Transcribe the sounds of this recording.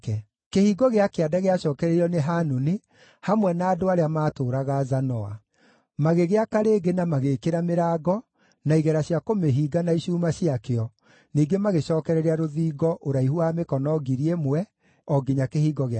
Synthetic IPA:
kɛ | kehiːɡɔɣeakeadaɣeaɕɔːkɛɾɛɾiɔneɦanune | hamwɛnaːdoaɾeamaːtoːɾaɣazanɔa̰ | maɣeɣeakaɾeːɡenamaɣeːkeɾameɾaːɡɔ | naiɣɛɾaɕjakomeɦiːɡanaiɕuːmaɕiakeɔ | niːɡemaɣeɕɔːkɛɾɛɾeaɾoðiːɡɔʔoɾaihuamekɔnɔɡiɾiemwɛ | ɔɡiɲakehiːɡɔɣe

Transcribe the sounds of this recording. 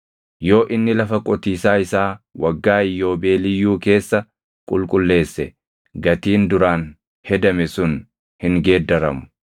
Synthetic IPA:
jo̞ːʔɪnːɪlɐfɐkʼɔt̪iːsaːɪsaːwɐɡːaːɪjːo̞ːbe̞ːlɪjːuːke̞ːsːɐ | kʼʊlkʼʊlːe̞ːsːɛ | ɡɐt̪iːnd̪ʊɾaːn | hɛd̪ɐmɛsʊn | hɪŋɡe̞ːd̪ːɐɾɐ̰mʊ̥

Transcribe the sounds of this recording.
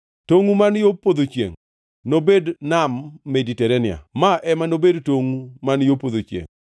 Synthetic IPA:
toŋumanjopod̪ot͡ʃjḛŋ | nobednamːɛditɛɾɛnɪa̰maʔɛmanobedtoŋumanjopod̪ot͡ʃjḛŋ

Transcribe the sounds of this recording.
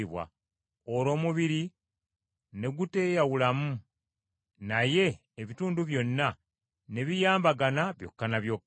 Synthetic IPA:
iβwa̰ | oɾo̞ːmuβiɾi | ne̞ɡute̞ːjawulamu | naje̞ː | βituːnduβjo̞nːa | ne̞βijaːmbaɡanaβjo̞̰kːanaβjokː

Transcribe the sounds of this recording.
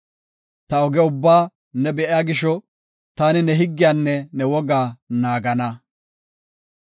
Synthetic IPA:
t̪ɐɔɡɛʊbːaː | nɛbɛʔɪjaːɡɪʃɔ | t̪aːnɪnɛɦɪɡːɪjaːnːɛnɛwɔɡaːnaːɡɐnɐ

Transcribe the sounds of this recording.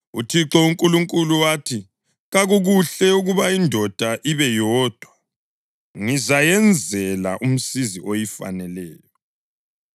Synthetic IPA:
ṵtʰiǁɔuŋkʼuluŋkʼuluwaːtʰi | ɣaɣuɣuɬɛuɣuβaindʱɔd̥ʱaʔiβɛjɔːd̥ʱwa | ŋizajɛnd͡zʱɛlaʔum̩siziʔojifa̰nɛlɛːjɔ

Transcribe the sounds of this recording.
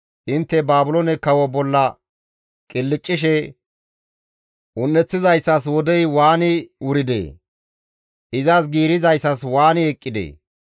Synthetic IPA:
ʔɪnt̪ːɛbaːbʊlonɛkɐwɔbɔlːɐ | kʼɪlːɪt͡ʃʼːɪʃɛ | ʔʊnːɛt͡sːɪzɐjsːɐs̬wɔd̪ɛjwaːnɪwʊɾɪd̪ḛː | ʔɪzas̬ɡiːɾɪzɐjsːɐswaːnɪɛkʼːɪd̪ḛː

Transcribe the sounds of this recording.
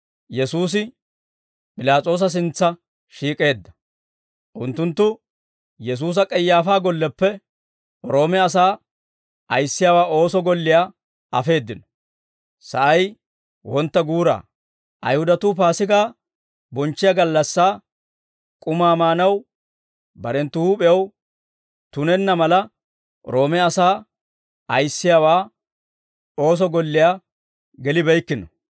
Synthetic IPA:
jɛsuːs̬ɪ | pʼɪlaːt͡sʼo̞ːs̬ɐs̬ɪnt͡sːɐ | ʃiːkʼe̞ːd̪ːɐ̥ | ʔʊnt̪ːʊnt̪ːʊ | jɛs̬uːs̬ɐkʼɛjːaːfaːɡɔlːɛpːɛ | ɾo̞ːmɛɐs̬aː | ɐjsːɪjaːwaːo̞ːsɔɡɔlːɪja | ɐfe̞ːd̪ːɪnɔ̥ | sɐ̰ʔɐj | wɔnt̪ːɐɡuːɾa̰ː | ʔɐ̰jhʊd̪ɐt̪uːpaːsɪɡaː | bɔnt͡ʃːɪjaɡɐlːɐsːaː | kʼʊmaːmaːnɐw | bɐɾɛnt̪ːʊhuːpʼɛjɐw | t̪ʊnɛnːɐmɐlɐ | ɾo̞ːmɛɐsaː | ɐjsːɪjaːwaː | o̞ːs̬ɔɡɔlːɪjaː | ɡɛlɪbɛjkːɪnɔ

